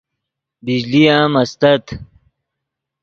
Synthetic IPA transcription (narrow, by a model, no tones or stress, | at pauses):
bid͡ʑlijãːmɐst̪ɐt̪